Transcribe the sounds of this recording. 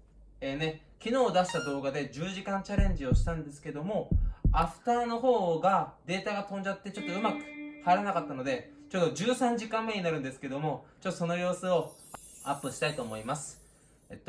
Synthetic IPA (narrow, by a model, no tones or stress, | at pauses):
eːne̞ | kʲino̞ːd̪aɕi̥t̪ad̪o̞ːɡad̪e̞d͡ʑɨːʑikãnt͡ɕaɾẽ̞ɲ̟d͡ʑio̞ɕi̥t̪ãnd̪e̞sɨ̥ke̞d̪o̞mo̞aɸɯ̟̥t̪aːno̞ɦo̞ːɡad̪e̞ːt̪aɡat̪õ̞ɲ̟d͡ʑat̪ːe̞t͡ɕo̞t̪ːo̞ɯ̟makɯ̟̥haiɾanakat̪ːano̞d̪e̞t͡ɕo̞ːd̪o̞d͡ʑɨːsãɲ̟d͡ʑikãmːeɲ̟inaɾɯ̟̃nd̪esɨ̥ke̞d̪o̞mo̞t͡ɕot̪ːoso̞no̞jo̞ːsɨo̞ | apːɯ̟ɕi̥t̪ait̪oːmo̞imasɨ̥ | et̪ː